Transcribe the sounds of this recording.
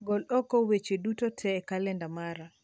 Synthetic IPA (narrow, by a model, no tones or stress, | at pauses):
ɡɔlɗɔkɔwet͡ʃedutɔtʰɛːkalɛndamaɾa